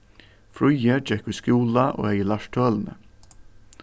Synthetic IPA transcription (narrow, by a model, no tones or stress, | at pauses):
fɾʊjɛd͡ʒɛkʊskuːlaʔo̰ːɛjəlaʂt̪ʰøːlnə̰